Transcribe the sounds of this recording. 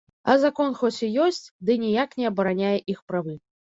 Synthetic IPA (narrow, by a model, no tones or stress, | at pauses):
ɐzakɔnxɔt͡sʲijɔsʲt͡sʲd̪ɨnʲijaknʲɛɐbɐɾanʲajɛʔixpɾavɨ